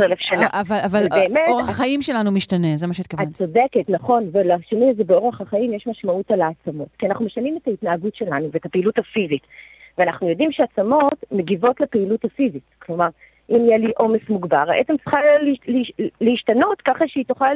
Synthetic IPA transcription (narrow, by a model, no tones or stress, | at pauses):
elefʃanavalvalbeːmeoʁeaχaimʃelanumiʃtanezemaʃit̪kvat͡so̞deke̞tnaχo̞nvelaʃeniazebeo̞ʁeχaχaimjeʃmaʃmautalaːt͡samo̞tkianaχnumeʃanime̞taitnaːɡutʃe̞lanuveetapeiluthafizit | veanaχnujo̞dimʃeat͡samo̞tme̞ɡivo̞tlepeiluthafizitklo̞maʁ | ʔimijeliʔo̞mesmuɡbaʁa̰ʔet͡semt͡si̥χallleiʃtano̞tkaχaʃeitoχa